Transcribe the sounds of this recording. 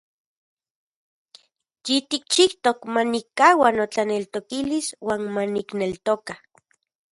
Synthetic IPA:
jit̪ik̚t͡ʃiht̪okmanikːaːwanot͡ɬanelt̪okiliswaːnmaniknelt̪oka

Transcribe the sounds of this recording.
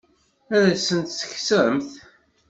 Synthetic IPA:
æɾæsənt̪sə̥çsəɾəmθ

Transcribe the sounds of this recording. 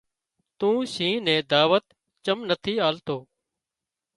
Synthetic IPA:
t̪ũːʃĩːnẽːd̪aːʋət̪ | t͡ʃəmnət̪ʰiːaːlt̪oː

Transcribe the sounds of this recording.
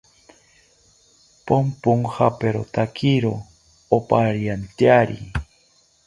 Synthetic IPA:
pompoŋxapeɾot̪akʰiɾo | opaɾjant̪jaɾḭ

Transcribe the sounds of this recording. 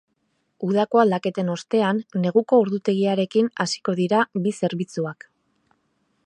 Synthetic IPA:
uðako̞ald̪ake̞t̪e̞no̞st̪e̞anːe̞ɣ̞uko̞uɾðut̪e̞ɣiaɾe̞kinasi̥ko̞ðiɾaβise̞ɾβit͡suak

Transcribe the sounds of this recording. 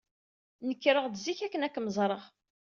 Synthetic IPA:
nəkːɾəʁd̪ziçækːənækːməzˤɾˤəʁ

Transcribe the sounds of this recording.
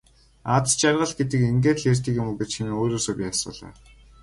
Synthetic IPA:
at͡st͡ɕarʁə̆ɮɡet̪̬ɘ̆keŋɡeːt̪ɮer̥t̪iːkjʊmuɡet͡ɕxiniːoːɾoːsoːpʲiːasʊ̰ːɮa̰ː

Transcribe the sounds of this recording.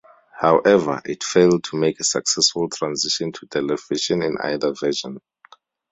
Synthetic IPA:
hawʔɛvə̰ʔḭtfelˠd̚tʰumekʰɛsa̰ksɛsfultʰɹãnziʃɔ̃ntʰutʰɛlɛviʃɔ̃nḭ̃na̰jðəvɛʃɔ̃n

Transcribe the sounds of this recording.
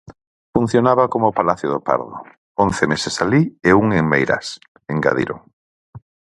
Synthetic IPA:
fun̟θjonaβakomʊpalaθjʊðopa̰ɾðʊ̰ | on̟θemesesalieuŋeŋmejɾɐ̰s | eŋɡa̰ðḭɾʔo̰

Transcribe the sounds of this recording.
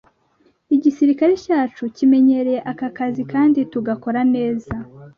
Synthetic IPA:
iɟisiɾikaɾe̞caːt͡ʃucime̞ɲe̞ɾe̞je̞ʔakakazikaːndituɡako̞ɾane̞ːza

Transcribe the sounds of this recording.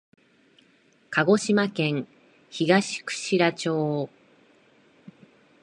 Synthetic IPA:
kʰaɡo̞ɕimakẽ̞ŋ | çiɡaɕi̥kɯ̟̥ɕiɾat͡ɕo̞ː

